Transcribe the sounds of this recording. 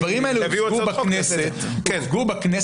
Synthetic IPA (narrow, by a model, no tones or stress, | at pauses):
vaʁimaeleviɡubaknese | ɡubaknes